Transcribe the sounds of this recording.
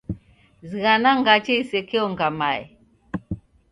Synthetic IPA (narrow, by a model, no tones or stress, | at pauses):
ziɣanaŋɡat͡ʃeisekeoŋɡamaj